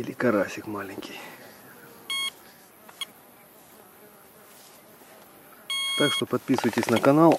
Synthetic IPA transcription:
ilʲɪkɐɾasʲɪkmalʲɪŋʲkʲij | t̪akʂt̪o̞pɐt̪̚pʲisʊvətʲɪsʲnəkɐnalˠ

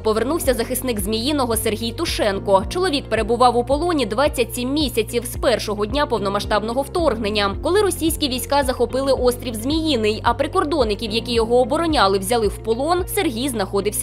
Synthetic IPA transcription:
pɔʋernuwsʲɐzɐxɪsnɪkzmʲijinɔɦɔserɦʲijt̪ʊʂɛnkɔt͡ʃɔlˠɔʋʲik̚pe̞ɾebʊʋɑwʊpɔlˠɔnʲid̪ʋɑt͡sʲːɐtʲsʲimːʲisʲɐt͡sʲiwspɛrʃɔɦɔdʲnʲapɔwnɔmɐʃt̪ɑbnɔɦɔwt̪ɔrɦnenʲːɐkɔlˠɪɾɔsʲijsʲkʲiʋʲijsʲkazɐxɔpɪlˠɪʔɔst̪ʲɾʲiwzmʲijinɪjɐpɾɪkɔrd̪ɔnːɪkʲiwjɐkʲijɔɦɔːbɔɾɔnʲalˠɪwzʲɐlˠɪwpɔlˠɔnserɦʲijznɐxɔd̪ɪwsʲɐ

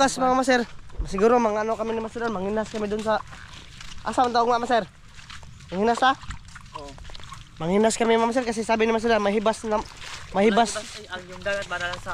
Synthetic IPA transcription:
kasmaŋamasɛrmasɪɡuɾomaŋanokamɪnɪmasɪdanmaŋinhaskamɪd̪ʊnsa | ʔa̰samant̪aʊɡmaʔmasɛr | maŋinasa | maŋinhaskamɪmamas̬ɛrkas̬isaːbɪnɪmas̬ɪdanmaɦibasnamahibasd̪dalasa

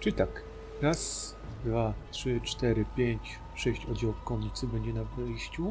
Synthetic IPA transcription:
t͡ʂɨt̪ak | ɾas | d̪vat̪ʂɘt͡ʂt̪ɛɾɘpʲjeɲt͡ɕ | ʂɛɕt͡ɕɔd͡ʑawfkɔɲʲit̪sɘbɛɲd͡ʑɛnavɘjɕt͡ɕu

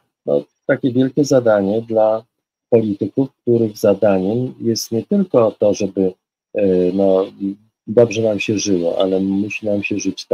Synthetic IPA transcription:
nɔ̰ | t̪akʲɛvʲjɛlkʲɛzad̪aɲɛd̪la | pɔlʲit̪ɘkufk̚t̪uɾɘɣzad̪aɲɛmjɛst̪ɲɛt̪ɘlkɔt̪ɔʐɛbɘ | nɔ | d̪ɔbʐɛnamɕɛʐɘwɔʔa̰lɛmuɕinamɕɛʐɘt͡ɕt̪

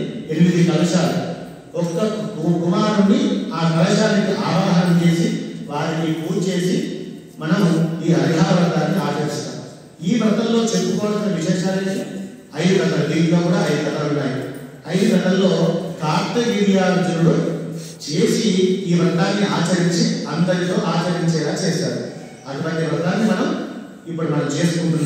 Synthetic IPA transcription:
eɭːid̪ikɐlɐʃaːlu | ɔkːɐuɡumaːnunːiaːkɐlɐʃaːnikiʔaːʋaːɦɐnɐmt͡ʃe̞ːsiʋaːɾinipuːt͡ʃe̞ːsi | mɐnɐmuiːɐɾiɦaːɾʋɐt̪aːnːiaːkɐɾist̪a̰ːmu | iːbɾɐt̪ɐllo̞ːt͡ʃepːukɔːɽɐsnɐʋiʃɛːʃaːɾeːsu | ɐjukɐt̪ɐd̪iɡaːkuːɽaːɐjukɐt̪ɐunːaːji | ɐjikɾɐt̪ɐmlo̞ːkaːɾt̪ɐɡiːɽijaːɐd͡ʒɐɾuɽo | t͡ʃe̞ːsiiːbɐɡ̪aːnːiaːt͡ʃɐɾiɲt͡ʃiɐnd̪ɐnit̪o̞ːʔaːt͡ʃɐɾiɲt͡ʃɛːlaːt͡ʃɛːʃaːɾu | ɐd̪upɐʈ̪ːeʋɐaːnːimɐnɐm | ipːuɽumɐnɐmt͡ʃe̞ːsukuɳʈunːa

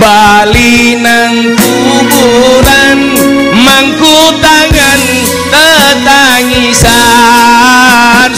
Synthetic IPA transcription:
balinan | k̪ubuɾan | maŋkut̪aŋan | t̪ət̪aŋisa | n

